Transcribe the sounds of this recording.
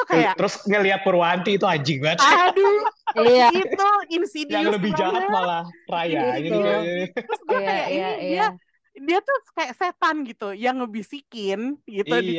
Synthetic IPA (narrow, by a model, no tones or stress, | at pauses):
t̪ukajaʔt̪əɾʊsŋəliat̪̚pəɾwant̪iːt̪uad͡ʒiɡat̪adu | it̪uinsidialəbɪhd͡ʒaamalarajaɲaiaɾʊsdiakajaʔinidia | diat̪ʊkajakset̪anɡit̪ujaŋləbihsikɪnɡit̪u